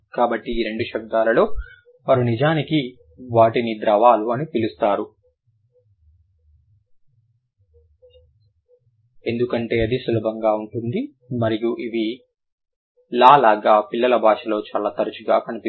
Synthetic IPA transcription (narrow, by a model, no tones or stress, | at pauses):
kaːbɐʈːiːɾe̞ɳɖuʃɐb̚d̪aːlɐlo̞ː | ɐɾunid͡ʒaːniki | ʋaːʈinid̪ɾɐʋaːluɐnipilust̪aːɾu | e̞nd̪ukɐɳʈe̞ːɐd̪isulɐbʱɐŋɡaːuɳʈund̪i | mɐɾijuʔiʋi | laːlaːɡaːpilːɐlɐbʱaːʂɐlo̞ːt͡ʃaːlaːt̪ɐɾɐt͡ʃuɡaːkɐnipi